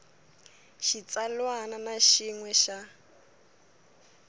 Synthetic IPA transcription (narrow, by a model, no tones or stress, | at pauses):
ʃit͡salwananaʃiŋwɛʃa